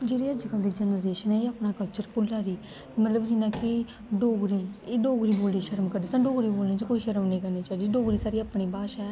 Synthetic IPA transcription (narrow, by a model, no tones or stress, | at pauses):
d͡ʒeːɾiːəd͡ʒkəld̪iːd͡ʒɛnəɾeːʃənɛːeːəpɳaːkəlt͡ʃəɾpʊlːaːd̪iː | mət̪ləbd͡ʒɪnãːke | ɖoːɡɾiːeːɖoːɡɾiːboːlniːʃəɾəmkəɾd̪iːsãːɖoːɡɾiːboːlniːt͡ʃəkoːiːʃəɾniːkəɾniːt͡ʃaːid̪iɖoːɡɾiːsaːɾiːaːpɽ̃iːbaːʃa